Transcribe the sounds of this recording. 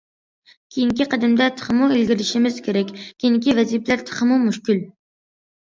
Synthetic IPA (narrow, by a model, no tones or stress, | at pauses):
kʲʰejiŋkʲiqʰəd̪ɪmd̪ɛt̪ʰə̥χəmuelɡʲiɾɪʃimɪz̥kʲʰeɾɛkʲkʲʰiinkʲivɛzipʰlæɾt̪ʰə̥χəmumuʃkʲyl